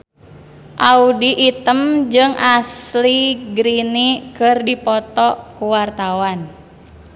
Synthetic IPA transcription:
ʔaudiʔːt̪əmd͡ʒɨŋʔasliɡɾinikɨrdipɔt̪ɔkuwart̪awan

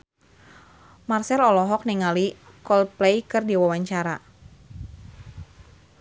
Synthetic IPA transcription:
marsɛlɔlɔɦɔk̚niŋali | kɔlplɛjkɨrdiwawaɲt͡ʃaɾa

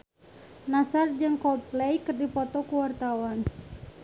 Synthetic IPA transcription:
nasard͡ʒɨŋkɔl̚plɛjkərdipɔt̪ɔkuwart̪awan

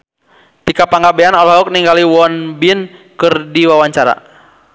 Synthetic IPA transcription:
t̪ikapaŋɡabɛanɔlɔɦauk̚niŋɡaliwɔnbinkɨrdiwawaɲt͡ʃaɾa̰

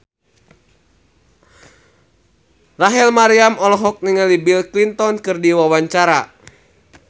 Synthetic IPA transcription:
raɦɛlmaɾiamɔlɔɦɔk̚niŋalibilklint̪ɔnkɨrdiwawaɲt͡ʃaɾa

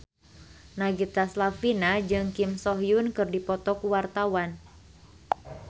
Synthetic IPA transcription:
naɡit̪aslafinad͡ʒɨŋkimsɔɦjunkɨrdipɔt̪ɔkuwart̪awan

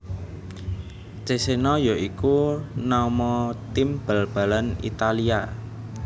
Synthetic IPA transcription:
t͡ʃesenɔjɔʔikunamɔt̪imb̥əlb̥a̤lanḭt̪alia

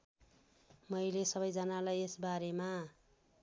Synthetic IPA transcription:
mʌjlesʌbʌjd͡zʌnalajesbaɾema

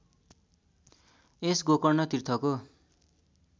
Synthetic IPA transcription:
esɡokʌrnʌt̪irt̪ʰʌko

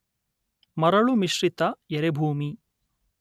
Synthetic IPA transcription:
mɐɾɐɭumiʃɾit̪ɐjeɾebʱuːmi

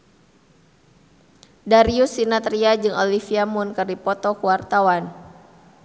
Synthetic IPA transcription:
daɾiusːinat̪ɾiad͡ʒɨŋɔlifiamunkərdipɔt̪ɔkuwart̪awan

